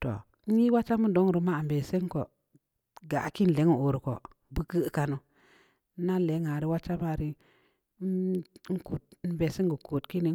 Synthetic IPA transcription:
to̰˨ | n̩˦ji˦wa˦t͡ʃa˦mu˦do˨˦ŋ˨ɾu˨˦ma˦a˨mbe˨se˦ŋ˦ko̰˨ | ɡa̰˨ki˦n˨le˨˦ŋu˨o˨ɾu˨ko̰˨ | bu˦kə˦ka˨no˨˦ | na˦le˨˦ŋa˨ɾi˦wa˦t͡ʃa˦ma˦˨ɾi˦ | ŋ̩˦ku˨t̚n̩˦be˨se˦ŋɡə˨ko˨tki˦ni˨

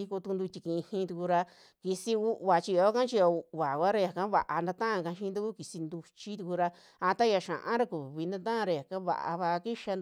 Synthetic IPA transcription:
i˧ku˧t̪u˧nd̪u˧t̪ʲi˧kĩ˧hĩ˧t̪u˧ku˧ɾa˧ | ki˧si˧u˦ʔβa˨t͡ʃi˧jo˧˦kã˦t͡ʃi˧o˧u˧ʔβa˨kʷa˦ɾa˧ja˨kã˦βa˨ʔa˧nd̪a˧t̪ã˦ʔã˧kã˧ʃĩ˦nd̪u˧ku˦ki˨si˧nd̪u˧t͡ʃi˦t̪u˧ku˧ɾa˧ | a˧t̪a˦ja˧ʃã̰˨ʔã̰˦ɾa˧ku˨βi˧nd̪ã˧t̪̬ã˦ã˧ɾa˧ja˨kã˦βa̰˧ʔa̰˧βa˧ki˦ʃa˧

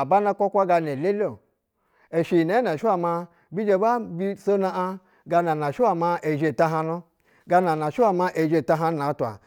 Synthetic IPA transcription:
a˨ba˦na˦kʷo˦kʷa˦ɡa˧ne˨le˦lo˦˨ | e˨ʃi˨ne˨˦na˨ʃa˦ma˧ | bi˦d͡ʒe˨ba˦bi˦so˦na˦a˧ | ɡa˧na˨na˨ʃu˦a˨ma˧e˨ʒe˨ta˦ɦa˧no˦ | ɡa˧na˨na˨ʃi˦a˨ma˧ʔe˨d͡ʒe˨ta˦ɦa˦n˦na˨˦tu˨a̰˨

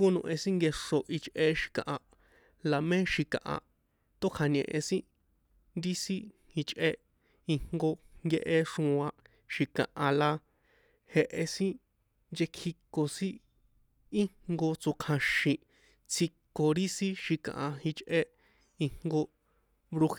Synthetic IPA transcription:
ko˦nṵ̃˧ʔẽ˧sĩ˦ŋɡe˧ʂo˧ʔi˧t͡ʃʔe˦ʃi̥˧kã̰˨ʔã˨ | la˨mẽ˦ʃi˧kã̰˨ʔã̰˨ | t̪o˦kʰa˨˧ɲḛ̃˨ʔḛ̃˧sĩ˦ | nd̪i˦sĩ˦ | i˧t͡ʃʔe˦ | i˧ŋŋɡo˧ŋɡe˧ʔe˧ʂũ˧ã˧ | ʃi˧kã̰˨ʔã˨la˧ | he˧ʔe˧sĩ˦ | nd͡ʒe˧kʰi˧kːo˨sĩ˦ | i˦ŋŋɡo˧t͡so˧kʰã˧ʃĩ˧ | t͡sʰi˧kːo˨ɾi˦sĩ˦ʃi˧kã̰˨ʔã˨i˧t͡ʃʔe˦ | i˧ŋ̥ŋɡo˧ | βɾu˧

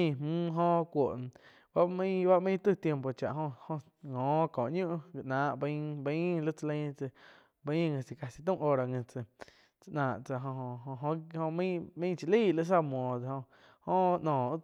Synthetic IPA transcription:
ĩ˧˨mmũː˦ɦõ˧kʷo˨ʔn˧ | ba˦mĩ˦ba˦ʔmĩ˦˧t̪ɨ˦˧t̪je˧mpo˨t͡ʃa̰˨ʔɦõ˧hõ˧ | ŋɔ̃ː˨˦kɔ̃ː˨ʔɲũ˦ʔɡi˧ʔnãː˨ʔb̃bə̃˦lə˦t͡sə˧lə̃˧˦t͡sə˧ | bə˧˦˧ŋə̃˧t͡si˧ka˧si˧t̪̬ũ˦˧ʔo˧ɾa˧ŋə̃˧t͡sə˧ | t͡sə˧ʔnãː˨ʔt͡sa˧ɦo˧ɦo˧o˧ɦõ˧ho˧mĩ˦mĩ˦t͡ʃi˧liː˦˨lɨ˧ʔs̬a˦mwɔ̃˨d̪e˧˨ho˧ | hõ˦˧ʔnɔ̃ː˨˦

